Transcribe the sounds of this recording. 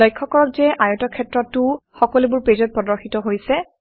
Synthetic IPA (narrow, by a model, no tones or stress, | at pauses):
ɔjkʰːɔkɔɹɔk̚zɛʔajɔtɔkʰɛtɹɔtːʊxɔkɔlibʊɹpɹezɔt̚pɹɔdɔɹxitɔɦojsɛ